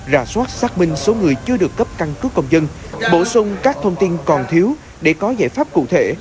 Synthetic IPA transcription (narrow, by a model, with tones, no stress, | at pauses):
za̰ː˧˩swaː˦˥t̚saː˦˥k̚mï˧ŋ̟so˨˦ŋɨ˨˩əjt͡ɕɨ˧əɗɨ˨˩əkːə˦˥p̚ka˧nkɨ˨˦˥kːə˧wŋ͡mzə˧n | ɓo̰˧˩sʊ˧ŋ͡mkaː˦˥k̚t̪ʰə˧wŋ͡mt̪i˧nkɔ˨˩nt̪ʰi˨˦w | ɗe˧˩kɔ˨˦zaː˧˩jfaː˦˥p̚kṵ˧˨t̪ʰe˧˩